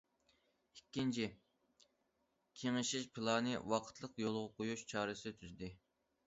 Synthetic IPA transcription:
ikʲːint͡ʃʰi | kʲʰeŋɪʃiʃpʰɨlˠɑːnɨwɑqʰə̥t̪ʰlˠəqjolˠʁəqʰojuʃt͡ʃʰɑːɾɨsɨd̪ɪt̪ʰyzd̪ɪ

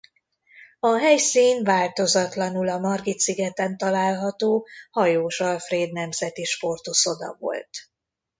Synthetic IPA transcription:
ɒɦɛjsiːnvaːlt̪o̞zɒt̪lɒnulɒmɒrɡit̪siɡɛt̪ɛnt̪ɒlaːlɦɒt̪oːhɒjoːʃɒlfreːd̪nɛmzɛt̪iʃpo̞rt̪uso̞d̪ɒ̰vo̰lt̪

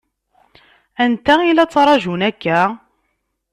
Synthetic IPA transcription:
ænt̪æilæt͡sːɑɾˤɑʒunækːæ

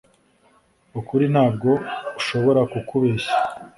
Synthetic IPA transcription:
ukuɾin̥haːb̚ɡo̞uʃo̞βo̞ɾakukuβeʃḁ

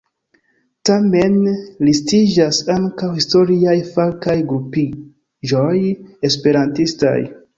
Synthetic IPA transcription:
tame̞nlistid͡ʒasaŋkawhisto̞ɾiajfalkajɡɾupi | d͡ʒoje̞spe̞ɾantista̰j

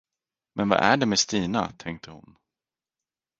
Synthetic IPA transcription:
mɛnva̰ʔæɖɛmɛst̪iːnat̪ʰɛŋk̚t̪ʰəhʊ̰n

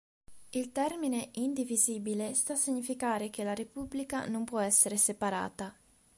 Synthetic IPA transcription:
ilt̪ɛrmineʔind̪iviziːbilest̪asiɲːifikaːɾekelaɾepublikanompwɔɛsːeɾesepaɾa̰ːt̪a

